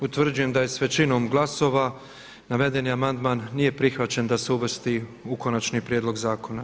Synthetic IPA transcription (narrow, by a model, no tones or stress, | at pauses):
ut̪ʋr̩d͡ʒuje̞md̪ajesʋe̞t͡ʃino̞ːmɡlaso̞ːʋa | naʋe̞d̪e̞niamand̪maːnːije̞pɾixʋat͡ɕe̞nd̪aseuʋr̩st̪iukonat͡ʃnipɾjed̪lo̞ɡzaːko̞na